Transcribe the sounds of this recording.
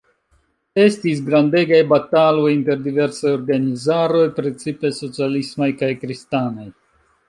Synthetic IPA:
e̞stis̬ɡɾande̞ɡajbatalo̞jinte̞ɾdive̞ɾsajo̞ɾɡanizaɾo̞jpɾet͡sipe̞so̞t͡sialismajkajkɾistanaj

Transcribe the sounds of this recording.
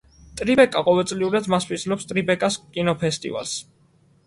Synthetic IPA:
t̪ʼɾibɛkʼaqʼɔvɛlt̪sʼliuɾad̪maspʰiszlɔpst̪ʼɾibɛkʼaskʼinɔpʰɛst̪ʼḭva̰lˠs

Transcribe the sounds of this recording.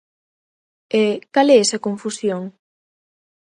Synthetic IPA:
ekalɛɛsɐkoɱfusjoŋ

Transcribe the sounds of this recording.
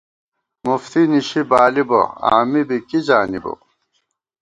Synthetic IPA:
muft̪iniɕibaːlibo̰a̰ːmibikizaːnibo̰

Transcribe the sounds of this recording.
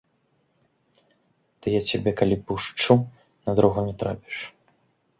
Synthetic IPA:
t̪ɨjat͡sʲabʲɛkalʲipuʂt͡ʂu | nɐd̪ɾɔwɣɐmʲɛt̪ɾa̰pʲi̥ʂ

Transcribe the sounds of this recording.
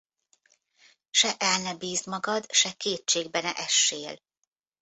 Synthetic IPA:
ʃɛʔɛlnɛbiːzmɒɡɒd̪ʃɛkeːtt͡ʃeːɡ̚bɛnɛʔɛʃːeːl

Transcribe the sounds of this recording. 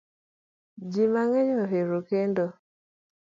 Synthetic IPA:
d͡ʒimaŋeɲoɦeɾukendo

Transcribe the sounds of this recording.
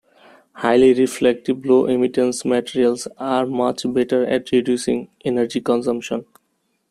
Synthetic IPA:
haɪliɾiflɛk̚ʈibloːʔemiʈẽnsmɛʈiɾiəlsaɾmʌt͡ʃbeʈəɾɛ̰ʈɾiɖjusḭ̃ŋenəɾd͡ʒikɔ̃nsʌ̃mʃɔ̃n

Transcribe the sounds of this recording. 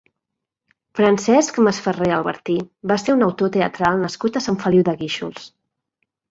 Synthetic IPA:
fɾənsɛskməsfəreəlˠβə̰ɾt̪ibaseɾunəwt̪ot̪eə̰t̪ɾalˠnəskut̪əsaɱfəliwðəɣiʃṵlˠs

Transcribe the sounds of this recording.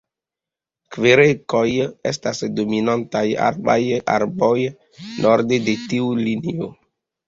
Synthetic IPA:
kveɾekojḛstasdominantaja̰ɾba̰ja̰ɾboj | noɾdedetiulinio

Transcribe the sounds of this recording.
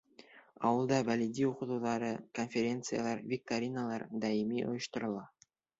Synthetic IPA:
ɑwɤ̆lˠd̪ɑbælid̪ʲiuqɤ̆t̪uwðɑɾɤko̞nfʲeɾʲe̞nt̪sɨja̰lˠɑɾvʲik̚t̪oɾʲinalˠɑɾd̪ɑimiʔŏ̰jŏʃt̪ŏɾɤ̆lˠɑ

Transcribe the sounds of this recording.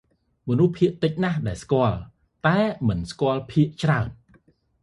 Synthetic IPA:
mɔnuhpʰiəʔt̪ɨc̚nahɗaɛlskŏəl | t̪aɛmɨnskŏəlpʰiəʔt͡ɕraən

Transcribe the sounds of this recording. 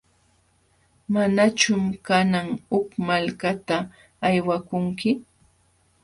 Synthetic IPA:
manat͡ʃʊmkanaŋhʊkmalkat̪aː | jwakʊŋkɪ

